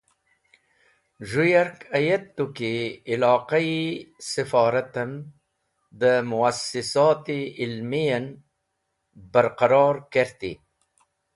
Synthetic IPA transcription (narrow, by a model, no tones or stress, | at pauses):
ʒujaɾkajat̪ːukiːlɑːqaisɪfɑːɾat̪am | d̪əmʊasɪsɑt̪iɪlmijan | baɾqaɾɑːɾkeɾt̪ḭ